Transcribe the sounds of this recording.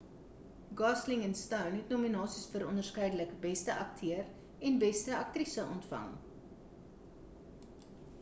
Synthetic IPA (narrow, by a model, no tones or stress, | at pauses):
ɡɑsliŋɛnstœwnɦɛtnuminɑːsisfəɾɔndərskəjdələkbɛstəʔɐk̚tʰøər | ɛnbɛstəɐk̚trisəʔɔntfɐ̰ŋ